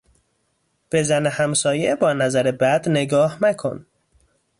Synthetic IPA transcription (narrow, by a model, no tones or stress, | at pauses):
b̥e̞zænehæmsɒːjebɒːnæzæɾebæd̪neɡɒːhnækʰo̰n